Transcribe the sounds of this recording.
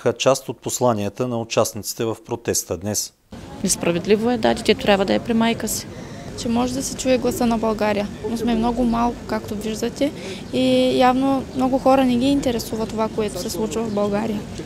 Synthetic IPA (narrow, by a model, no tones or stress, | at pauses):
xət͡ʃast̪ot̪̚poslˠanijət̪ənɐʊt͡ʃasnit̪si̥t̪ɛvɐfpɾot̪ɛst̪əd̪nɛs | nɛspɾɐvɛd̪livoɛd̪ad̪ʲit̪ʲɛt̪ɾʲʔabvəd̪ɐɛpɾimajkəsi̥t͡ʃɛmɔʒɛd̪ɐsɛt͡ʃuɛɡlˠɐsənɐbɐlˠɡaɾijənosmɛmnɔɡʊmalˠkʊ̥kakt̪oviʒd̪ət̪ɛ | ijavnomnɔɡʊxɔɾɐnɛɡʲiːnt̪ɛɾɛsuvɐt̪ːovakoɛt̪o̥sɛslˠut͡ʃvɐvɐvbɐlˠɡaɾijə